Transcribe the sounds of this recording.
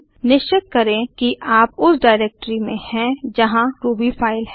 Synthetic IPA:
nɪʃt͡ʃɪt̪̚kɐɾẽkiʔaːpʊsɖaːɪɾeːk̚ʈɾimẽhɛ̃d͡ʒɐɦãɾuːbifʰaːɪlɦɛ

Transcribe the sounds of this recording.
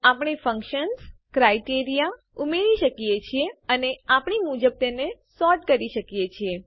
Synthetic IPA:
apɳ̃efə̃ŋkʃənskɾajʈiɾija | umeɭiʃəkijet͡ʃʰieəneapɳimud͡ʒəb̚t̪enesɔɾʈkəɾiʃəkjet͡ʃʰie

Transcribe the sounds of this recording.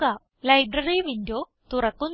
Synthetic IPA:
a | lɐjbɾɐriʋindoː | t̪urɐkːun

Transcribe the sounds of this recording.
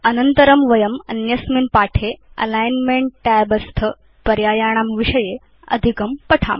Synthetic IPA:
ɐnənt̪əɾɐmʋɐjɐmɐ̰njɐsminpaʈʰeɐ̰lajnmeɳʈʈabɐst̪ʰə | pɐɾjaːjaɽ̃aːmʋiʂəje | ɐ̰d̪ʱikɐmpɐʈʰa̰m

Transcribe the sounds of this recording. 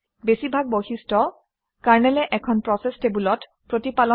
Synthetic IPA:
besibʱaɡ̚boxistɔ | kaɹnɛlɛʔɛkʰɔnpɹɔsɛstebulɔt | pɹotipalɔ

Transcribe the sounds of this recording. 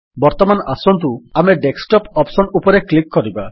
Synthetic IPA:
bɔɾt̪ɔmanʔasɔnt̪̬uameɖeksʈɔpɔpsɔnupɔɾeklikːɔɾiba

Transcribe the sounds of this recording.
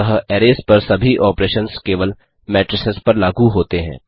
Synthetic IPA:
ɐɦəɛːɾeːspɐɾsɐbʱiʔɔːpɾeːʃənskeːʋəl | mɛːʈɾɪsɪspɐɾlaːɡuɦoːt̪eɦɛ̰̃ː

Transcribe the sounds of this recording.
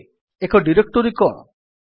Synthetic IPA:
ekɔɖiɾek̚ʈuɾikɔɽ

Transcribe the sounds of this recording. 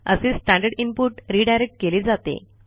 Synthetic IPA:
əseːsʈæ̃ɳɖəɾɖimpuʈɾiːɖajɾek̚ʈ̚keleːd͡zat̪ḛ

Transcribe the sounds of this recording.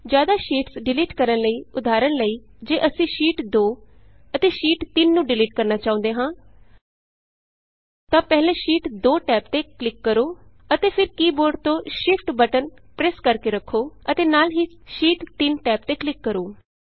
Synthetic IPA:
d͡ʒjaːd̪aːʃiːʈsɖɪliːʈkəɾənləiːʊd̪aːɾənləiːd͡ʒeːʔəsĩːʃiːʈd̪oː | ət̪eːʃiːʈt̪ɪnːũːɖɪliːʈkəɾnaːt͡ʃaːʊ̃ːnd̪eːɦãː | t̪ãːpɛːlẽːʃiːʈd̪oːʈɛːp̚t̪eːklɪkːəɾoː | ət̪eːpʰɪɾkiːboɾɖt̪õːʃɪpʰʈbəʈənpɾɛːskəɾkeːɾəkʰːoːət̪eːnaːlɦiːʃiːʈt̪ɪnʈɛːp̚t̪eːklɪkːəɾoː

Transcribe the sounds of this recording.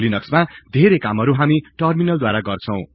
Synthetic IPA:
linʌksmad̪ʱeɾekamɦʌɾuɦamiʈʌrminʌld̪waɾaɡʌrt͡sʰʌ̃w̃

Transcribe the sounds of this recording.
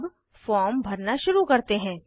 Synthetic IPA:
b | fɔːɾmbʱɐɾnaʃʊɾukɐɾt̪eɦɛ̃ː

